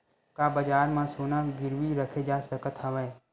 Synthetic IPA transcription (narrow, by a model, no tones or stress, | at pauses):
kaːbəd͡ʒaːɾmãsoːnaɡɪɾʋiɾəkʰed͡ʒaːsəkət̪ɦəʋɛː